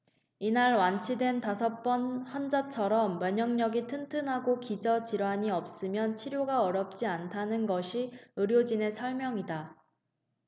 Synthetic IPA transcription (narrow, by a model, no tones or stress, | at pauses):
inaɭwant͡ɕʰidwe̞ntasʰʌp͈ʌnhʌnd͡ʑat͡ɕʰʌɾʌmːweɲʌŋɲʌɡitʰɯntʰɯnɦaɡokid͡ʑʌt͡ɕiɾwaɲiʌp̚s͈ɯmjʌnt͡ɕʰiɾjoɡaʌɾjʌp̚t͡ɕ͈iantʰanɯnɡʌɕʰiɯɾjod͡ʑine̞sʰʌɭmjʌŋida